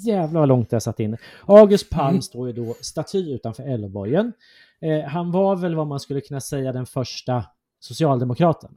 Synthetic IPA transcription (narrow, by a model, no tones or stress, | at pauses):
jæːvlalɔŋt̪̚ɛjasat̪ːɪnːəɑːɡɵst̪̚pʰalmst̪oːjəd̪ɔst̪at̪ʰyːʉ̟ːt̪anfœːɾɛlːbɔjən | ɦanvavɛlvamanskɵlːəkʰɵnːasɛjːad̪ɛnfœʂʈa | sʊsɪɑːld̪ɛmʊkʰɾɑːt̪ʰən